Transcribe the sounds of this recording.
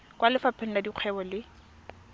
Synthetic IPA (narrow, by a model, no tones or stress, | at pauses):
kwalɪfapʰɪn̩nadiq͡χʰɛbɔlɪ